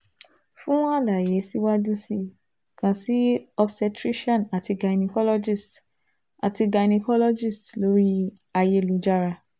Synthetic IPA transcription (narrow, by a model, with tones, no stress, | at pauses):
fũ˦w̃ɔ̃˦a˦la˨je˨˦si˦wa˦dũ˦si˧ | kã˧si˦ɔ˧bsɛ˧tɾi˦ʃɔ̃˦˨a˨ti˧ɡa˧˨nĩ˧kɔ˦lɔ˦d͡ʒi˦˨st | a̰˨ti˧ɡa˧nĩ˧kɔ˦lɔ˦d͡ʒi˦˨stlo˦ɾi˦ | a˧je˧˨lu˨˦d͡ʒa˧ɾa˧